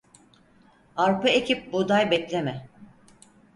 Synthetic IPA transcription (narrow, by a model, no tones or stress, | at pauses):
aɾpɯecʰip̚bud̪ajbɛplʲemɛ